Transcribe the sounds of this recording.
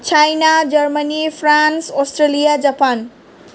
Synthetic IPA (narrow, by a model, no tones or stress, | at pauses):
t͡sʰajnad͡zʌrmʌnipʰransosʈrelijad͡zapan